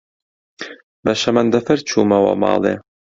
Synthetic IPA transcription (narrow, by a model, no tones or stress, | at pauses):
bɐʃɐmɐnd̪ɐfɐɾt͡ʃʰuːmɐwɐ̰mɑ̰ːlˠe